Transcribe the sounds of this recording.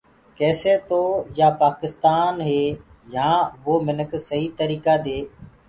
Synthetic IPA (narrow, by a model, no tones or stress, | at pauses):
kɛːseːt̪oːjaːpaːkɪst̪aːnɦeː | jãːʋoːmɪnəkʰsəɦiːt̪əɾiːkaːd̪eː